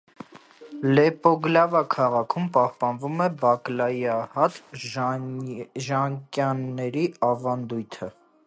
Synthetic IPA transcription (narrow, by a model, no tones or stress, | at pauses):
lɛpɔɡlɑvɑkʰɑʁɑkʰumpɑhpɑnvumɛbɑklɑjiɑhɑt̪ | ʒɑŋkjɑnːɛɾiɑvɑnd̪ujt̪ʰə